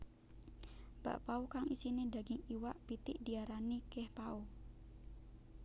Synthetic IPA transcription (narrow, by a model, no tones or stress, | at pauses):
b̥a̰ʔpaukaŋisinidaɡɪŋiwaʔpit̪ɪʔdiaɾanikɛhpau